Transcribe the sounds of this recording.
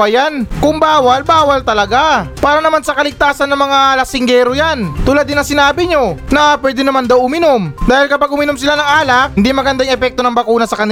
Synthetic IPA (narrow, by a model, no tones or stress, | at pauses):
ɐjankʊŋbaːwɐlbaːwɐlt̪ɐlɐɡapaːɾɐnɐmansɐkɐlɪɡ̚t̪aːsɐnːɐŋmɐŋalɐsɪŋɡɛɾojant̪ʊlad̪ɪnɐŋsɪnaːbɪɲo̞nɐpwɛd̪ɪnɐmand̪ɐwʔʊmɪno̞md̪aːhɪlkɐpaɡ̚ʔʊmɪnomsɪlanɐŋʔaːlɐk̚hɪnd̪imɐɡɐnd̪aŋʔɛpɛk̚t̪onɐŋbɐkuːnɐsɐkɐnɪ